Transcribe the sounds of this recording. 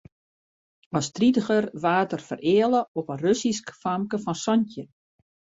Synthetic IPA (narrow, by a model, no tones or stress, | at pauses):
ɔstritəxərʋaːtərfərʔɪəlˠəɔpərøsiskfamkəfɔnsɔntjə